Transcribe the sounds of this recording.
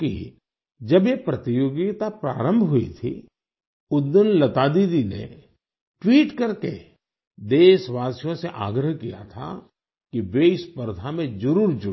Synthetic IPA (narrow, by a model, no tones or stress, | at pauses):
kḭ | d͡ʒɐbjepɾɐt̪ɪjoːɡit̪apɾa̰ːɾə̃mbʱɦʊḭt̪ʰḭ | ʊd̪ːənlɐt̪aːd̪id̪inḛ | ʈwiːʈkɐɾkḛ | d̪eːʃʋaːsjõseʔa̰ːɡɾəɦkija̰t̪ʰa̰ | kiʋeɪspəɾd̪ʱamẽd͡ʒɐɾuːɾd͡ʒʊ